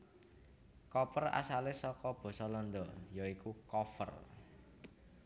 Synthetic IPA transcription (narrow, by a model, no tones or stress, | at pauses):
kɔpəra̰salesɔkɔb̥ɔ̤sɔlɔnd̪ɔjɔikukɔfə̰r